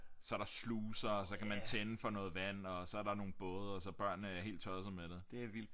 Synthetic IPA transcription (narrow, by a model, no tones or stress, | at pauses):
sɒ̽æɐɾ̥sluːsɐːsɒ̽kʰæmænt͡sʰenəfɒ̽nɔ̽ːð̩ˠʋæn̰ɒ̽sɒ̽æɐɾɑ̈no̝ːn̩b̥ɔːðˠɐɒsɒ̽b̥ɶɐ̰nːəæɐhe̝̰ːld̥t͡sʰɒð̩ˠsɐmeɾ̥ed̥e̝æʋil̰d̥